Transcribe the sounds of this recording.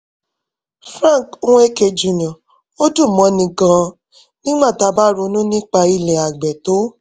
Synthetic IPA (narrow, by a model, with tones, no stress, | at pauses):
fɾã˦˨ko˦w̃e˦ke˧d͡ʒu˨nã˨ | o˦du˦˨mɔ̃˨˦nĩ˧ɡã˧ | nĩ˦ɡ͡bã˦˨ta˧˦ba˦ɾo˧nũ˦nĩ˦k͡pa˧i˧lɛ˨a˨ɡ͡bɛ˨to˨˦